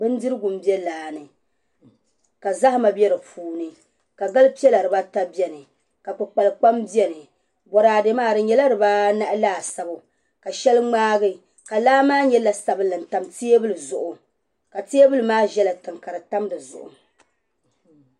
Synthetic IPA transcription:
bɨ˦n˦dɨ˦ɾɨ˦ɡʊ˨m̩˦bi˦ɛ˦laː˨nɨ˨ | ka˨za˦hma˨bjɛ˦ɾɨ˨pʰuː˨nɨ˨ | ka˨ɡa˦lpi˦ɛ˦la˨ɾɨ˨ba˦ta˦bɛ˨nɨ˨ | ka˨k͡pɨ˨k͡pa˨lɨ˨k͡pa˦mbi˦ɛ˦nɨ˨ | bɔ˨ɾaː˨de˨maː˦ɾɨ˨ɲɛ˨la˦ɾɨ˨ba˦na˦ʔlaː˦˨sa˨bʊ˨ | ka˨ʃɛ˦lɨ˦ŋ͡maː˦ɡɨ˦ | ka˨laː˦maː˦ɲɛ˦la˨sa˨bɨ˦lɨ˨n̩˨ta˨mti˦e˦bɨ˦lɨ˨zʊ˨ʔʊ˨ | ka˨ti˦e˦bɨ˦lɨ˨˦maː˦ʒɛ˦la˨tɨ˨ŋka˨ɾɨ˨ta˦mdɨ˨zʊ̰˨ʔʊ̰˨

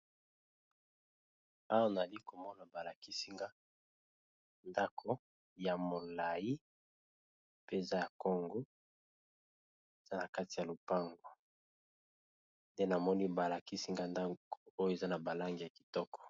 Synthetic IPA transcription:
a˦wa˦na˨za˨li˦ko˨mɔ˦na˨ba˨la˨ki˦si˦ŋɡa˦ | nda˦kʰo˦ | ja˨mo˨la˨ji˦ | pe˦e˨za˦ja˨ko˦ŋɡo˦ | e˨z̥a˦na˨ka˦ti˨ja˨lo˨pa˦ŋɡo˨ | nde˦na˨mɔ˦ni˦ba˨la˨ki˦si˦ŋɡa˦nda˦o˨o˦jo˦˨e˨za˦na˨ba˨la˦ŋɡi˨ja˨ki̥˨tɔ˦kɔ̥˨

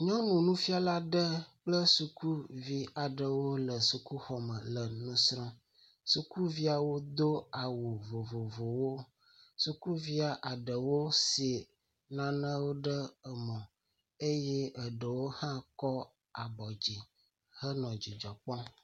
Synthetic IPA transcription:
ɲɔ̃˦nũ˨nũ˦fi˦a˦la˦ɖə˦k͡plə˦su˨ku˦vi˦a˨ɖə˨wo˦lə˨su˨ku˦xɔ˨mə̃˨lə˨nũ˦sɾɔ̃˦ | su˦ku˦vi˦a˨wo˦d̪o˦a˨wo˨vo˨vo˨vo˨wo˦ | su˨ku˦vi˦a˨ʔa˨ɖə˨wo˦se˨ | nã˨nə̃˦wo˦ɖə˦ə˨mɔ̃˨ | e˦jɛ˦ə˨ɖə˨wo˦hã˦kɔ˦ | a˨bɔ˨d͡ʑi˨ | hə˦nɔ̃˨d͡ʑi˨d͡ʒɔ˨k͡pɔ̃˦

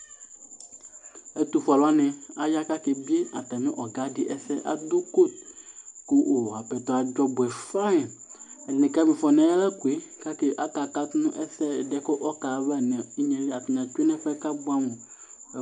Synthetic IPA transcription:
e˦t̪u˨fa˨la˦nɛ̃˨a˨ja˦ka˦ke˨bi˦e˦a˨t̪a˨mĩ˦ʔɔ˨ɡa˦di˨ʔɛ˦sɛ˦ʔa̰˨d̪u˦ko˦˨t̪̚ko˦ʔo˨a˨pɛ˨t̪ɔ˦a˨d͡ʒɔ˦bɛ˨fa˦˨ɛ˨nɛ̃˨ka˦mĩ˨fɔ˨nɛ̃˦ɛ˦la˦ku˨e˦ka˦ke˦ʔa˦ka˨ka˦t̪nũ˦ʔɛ˦sɛ˦˨dɛ˦ko˦ʔɔ˦ka˨βɛ˦˨nɛ̃˨i˦ɲɛ̃˨li˦a˨t̪u˨ɲ˨ã˨t͡ʃu˦e˦nɛ̃˦ɸɛ˦ka˦bu˦a˦mõ˨

